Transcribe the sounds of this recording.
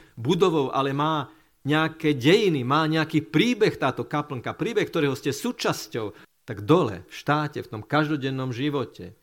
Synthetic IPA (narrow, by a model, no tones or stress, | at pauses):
bud̪ɔʋɔʊʔa̰lɛmaː | ɲɛakɛːɟɛjinimaːɲɛakiːpɾiːbɛxt̪aːt̪ɔkapl̩ŋkapɾiːbɛxk̚t̪ɔɾɛːɦɔscɛsuːt͡ʃascɔʊt̪aɡd̪ɔlɛ̰fʃt̪aːcɛft̪ɔmkaʒd̪ɔɟɛnːɔmʒiʋɔcɛ̰